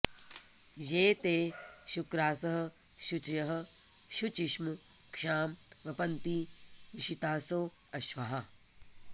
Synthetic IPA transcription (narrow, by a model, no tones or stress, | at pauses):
jeːt̪eːʃukɾaːsɐɦɐ̆ | ʃut͡ʃɐjɐɦɐ̆ | ʃut͡ʃiʃmu | kʂaːmʋɐpɐnt̪iːʋiʃit̪aːsoː | ɐʃʋɐɦɐ